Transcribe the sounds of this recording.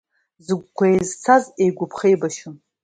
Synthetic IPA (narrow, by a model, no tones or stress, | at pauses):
zɨɡʷkʷʰaezt͡sʰazejɡʷʊpʰχejbaʃʊm